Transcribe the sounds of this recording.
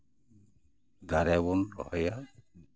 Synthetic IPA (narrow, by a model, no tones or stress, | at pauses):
d̪aɾabɔnɾɔhɔja